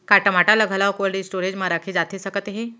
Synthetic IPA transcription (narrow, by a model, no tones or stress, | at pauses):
kaʈəmaʈaləɡʱlaʋkoəlɽisʈoɾed͡ʑmaɾakʰiːd͡zat̪ʰiːsəkət̪eɦe